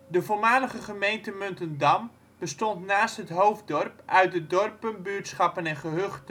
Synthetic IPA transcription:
dəvolˠmaːləχəχəmejntəmøntəndam | b̥əstɔntnaːstɦətɦowfdɔrpʔœɥt̚dədɔrpənbyətsχɑpənɛnχəɦøχtə

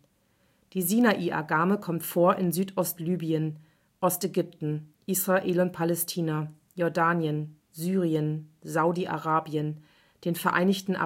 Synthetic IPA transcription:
d̥iːzinaʔiːʔa̰ɡaːməkʰɔmtfoːɐʔɪnzyːtʰʔɔstlyːbiən | ʔɔstʔɛɡʏp̚tn̩ʔisʁ̥aʔeːlʊnt̚pʰalɛstʰiːna | jɔɐdaːnjən | zyːʁiənzaʊdiʔa̰ʁaːbiən | d̥eːnfɛɐʔa̰ɪnɪçtn̩ʔa̰

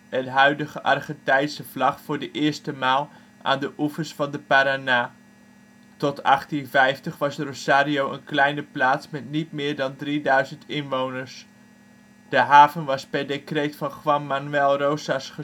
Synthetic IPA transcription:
ətɦœɥdəχəʔɑ̰rχəntɛjsəv̥lɑχfʊːɹdəʔɪːɹstəmaːlˠ | ʔa̰ːndəʔufəsfɑndəpaɾanaː | tɔtɑχtinvɛjftəχʋɑsrosaːɾiowʔə̰nklɛjnəplaːtsmɛtnitmɪːɹdɑndridœɥzəntɪnʋownəɹs | d̥əɦaːvənʋɑspɛɹdekrejtfɑnχʋɑnmanʉɛlˠrowsasχə

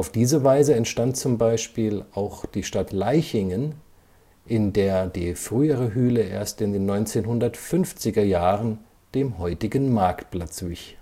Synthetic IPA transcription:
ʔaʊfd̥iːzəvaɪzəɛntʃtant̚t͡sʊmbaɪʃpiːlʔaʊxd̥iːʃtatlaɪçɪŋən | ʔɪndeːɐdḭːfʁ̥yːəʁəɦyːləʔḛːɐstɪndeːnːɔʏnt͡seːnɦʊndɐtfʏnft͡sɪɡɐjaːʁən | d̥eːmɦɔʏtɪɡən̩maɐktplat͡sv̥ɪ̰ç

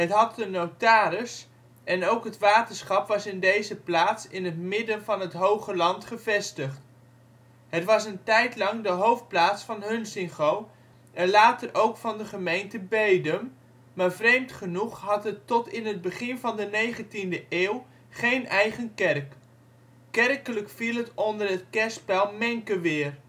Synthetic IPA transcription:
ɦətɦɑt̚dənowtaːɾəs | ʔɛnowkɦətʋaːtənsχɑpʋɑsɪndejzəplaːtsɪnɦətmɪdənvɑnɦətɦowχəlɑntχəvɛstəχt | ɦətʋɑsəntɛjtlɑŋdəɦowft̚plaːtsfɑnɦɵnsɪŋχow | ʔɛnlaːtərʔowkfɑndəχəmejntəbejdəm | maːɹvrejmtχənuχɦɑtɦətɔtɪnɦəd̚bəχɪnvɑndənejχəntindəʔeːw | χejnʔɛjχənkɛrkː | ɛrkələkfilˠɦətɔndərɦətkɛɹspɛlˠmɛŋkəʋɪːr

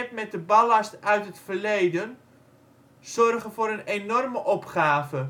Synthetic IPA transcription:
ɛtmɛt̚dəbalastœɥtɦətfərlejdən | sɔrɣənfoːɾənenɔrməʔɔpχaːvə

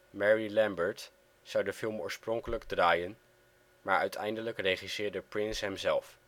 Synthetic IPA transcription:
mɛɹilɛmbəɹt | sɑwdəfɪlˠmo̰ːɹsprɔŋkələɡdraːjən | maːɹœɥtʰɛ̰jndələkrejχisɪːɹdəprɪnsɦɛmzɛlˠf

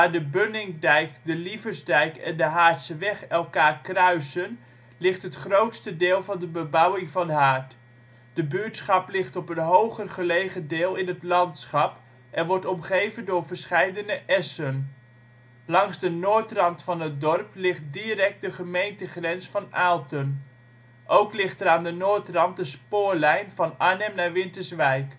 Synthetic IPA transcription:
daːɹdəbønɪŋdɛjkdəlivəzdɛjkɛndəɦaːtsəʋɛχɛlˠkaːrkrœɥsən | lɪχtɦətχrowtstədɪːlˠvɑndəbəbʌwɪŋvɑndəɦaːɹt | d̥əbytsχɑplɪχtɔpənɦowχərχəlejχədɪːlˠɪnɦətlɑntsχɑp | ʔɛnʋɔɹtɔmχejvəndʊːɹvəɹsχɛjdənəʔɛsən | lɑŋzdənoːɹtrɑntfɑnət̚dɔrplɪχt̚dirɛk̚t̚dəχəmejntəχrɛnsfɑnaːlˠtən | ʔowklɪχtəɾaːndənoːtrɑnt̚dəspoːɹlɛjnvɑnanɛmnaːɹʋɪntəɹsʋɛjk

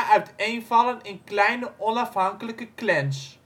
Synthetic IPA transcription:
ʔœɥtejnvɑlənɪnklɛjnəʔɔnɑfɦɑŋkələkəklɛns

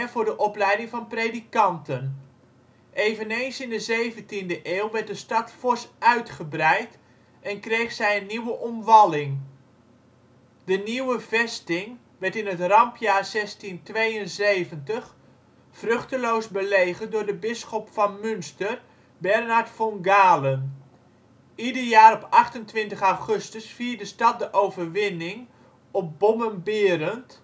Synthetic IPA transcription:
v̥ʊːrdəʔɔplɛjdɪŋvɑnpreːdikɑntən | ʔeːvənejnsɪndəzejvəntindəʔeːlˠʋɛrt̚dəstɑtfɔɹsœɥtχəbrɛjt | ɛnkrejχsɛjənːiwəʔɔmʋɑlɪŋ | dəniwəvɛstɪŋ | ʋɛrtɪnətrɑmpjaːrzɛstintʋejənzejvəntəχ | frøχtəloːsbəleːɣəndʊːɹdəbɪsχɔpfɑnmʏnstər | bɛrnaɹtfɔŋɡaːlən | idərjaːɾɔpɑχtəntʋɪntəχawχøstəsfiːrdəstɑt̚dəʔowvərʋɪnɪŋ | ɔp̚bomənbɪəɾənt

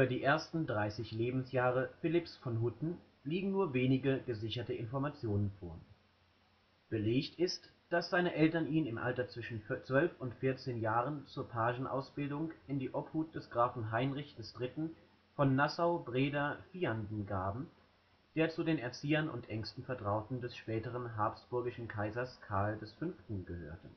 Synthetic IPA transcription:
yːbɐdiːʔeːɐstn̩dʁaɪsɪçleːbm̩sjaːʁ̞əfɪlɪpsfɔnɦutn̩ | liːɡŋ̩nuːɐveːnɪɡəɡəzɪçɐtəʔɪnfɔɐmat͡sjoːnənfoːɐ | b̥əleːçtɪst | d̥asz̥aɪnəʔɛltɐniːnɪmʔa̰ltɐt͡sv̥ɪʃn̩t͡sv̥œlfʊntfɪɐt͡seːnjaːʁənt͡suːɐpʰaːʒn̩ʔa̰ʊsb̥ɪldʊŋkɪndiːʔɔphuːt̚d̥ɛsɡ̥ʁaːfn̩ɦaɪnʁɪçd̥ɛsd̥ʁɪtn̩ | fɔnːasaʊbʁeːdɐfiːandn̩ɡaːbm̩ | d̥eːɐt͡sudeːnɛɐt͡siːɐnʊ̰ntʔɛŋstn̩fɛɐtʁ̥aʊtn̩dɛsʃpɛːtəʁ̞ənɦaɐpstb̥ʊɐɡɪʃn̩kʰaɪzɐskʰaɐldɛsfʏnftn̩ɡəhø̰ːɐtʰə

